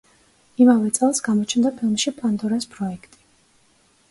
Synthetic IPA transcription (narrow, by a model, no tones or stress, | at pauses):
imavɛt̪sʼɛlˠsɡamɔt͡ʃʰnd̪apʰilˠmʃipʼand̪ɔɾaspʼɾɔɛkʰt̪ʼi̥